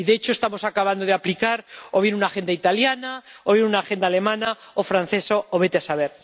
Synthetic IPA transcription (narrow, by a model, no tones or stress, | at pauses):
iðeet͡ʃo̞est̪amo̞sakaβand̪o̞ð̞eaplikaɾo̞β̞je̞nunaxe̞nd̪ait̪aljanaoβje̞nunaxe̞nd̪aːle̞mãna | ofɾan̟θe̞sooβe̞t̪easaβ̞e̞ɾ